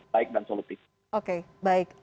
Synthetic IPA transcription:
aɪk̚dansɔlut̪ɪf | ʔokebaɪk̚

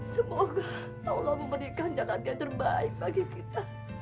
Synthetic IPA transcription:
səmoɡa | olaməmbəɾikand͡ʒalanjaŋt̪ərbaɪk̚baɡikit̪a

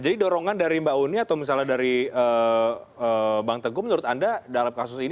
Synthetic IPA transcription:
d͡ʒadidoɾɔŋandaɾimbauniat̪awmisaladaɾiə | əbaŋt̪əɡʊmənuɾʊt̪andadalamkasʊsin

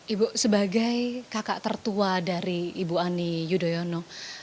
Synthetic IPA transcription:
ʔibusəbaɡajkaka̰ʔt̪ərt̪uadaɾiːbuanijudojɔnɔ

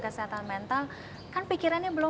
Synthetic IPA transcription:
kəsəɦat̪anmɛnt̪al | kanpikiɾanɲabəlɔ

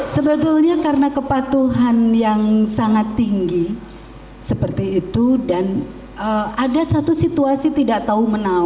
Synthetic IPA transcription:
səbət̪ulɲakaɾənakəpat̪uɦanjaŋsaŋat̪ːiŋɡi | səpərt̪iːt̪udan | əadasat̪usit̪uasit̪idaʔt̪aumənau

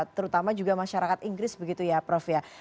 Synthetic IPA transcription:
t̪əɾut̪amad͡ʒuɡamaʃaɾakat̪iŋɡɾɪsbəɡit̪ujapɾɔfja

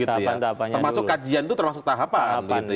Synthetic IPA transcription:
ɡit̪ujat̪tərmasʊkːad͡ʒiant̪ut̪ərmasʊk̚t̪aɦapanbəɡit̪u

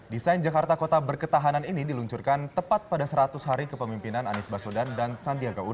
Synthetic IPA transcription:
disajnd͡ʒakart̪akot̪abərkət̪aɦananinidiluɲt͡ʃurkant̪əpat̪̚padasəɾat̪ʊsɦaɾikəpəmimpinananisbasodandansandiaɡau

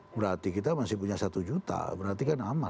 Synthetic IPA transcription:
bəɾart̪ikit̪amasihpuɲasat̪ud͡ʒut̪a̰bəɾart̪ikanama

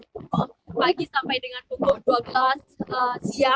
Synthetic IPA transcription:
paɡisampajdəŋanp̪uŋɡʊduabəlasəsia

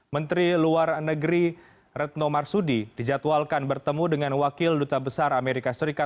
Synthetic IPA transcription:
mənt̪ɾiluarnəɡɾi | rɛt̪̚nomarsudidid͡ʒat̪walkanbərt̪əmudəŋanwakɪldut̪abəsarameɾikasəɾika

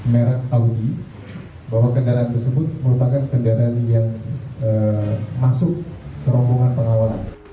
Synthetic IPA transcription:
meɾaaudi | baɦwakəndaɾaːnt̪ərsəbʊt̪̚məɾupakankəndaɾaanjaŋəmasʊk̚səɾɔmbɔŋanpəŋawalan

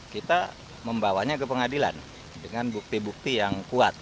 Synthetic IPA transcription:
kit̪a | məmbawaɲakəpəŋadila̰n | dəŋanbuk̚t̪ibuk̚t̪ijaŋkua̰t̪̚

